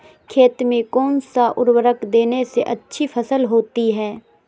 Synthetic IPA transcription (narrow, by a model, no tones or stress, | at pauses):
kʰeːt̪mẽkɔːnsaʔʊɾwəɾəkd̪eːneseʔɐtːʃʰipʰɐsəlɦoːt̪iɦɛː